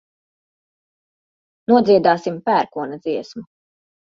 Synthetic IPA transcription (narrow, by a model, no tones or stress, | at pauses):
nuɔd̪ziɛd̪aːsimpæːɾkuɔnɐd̪ziɛsmu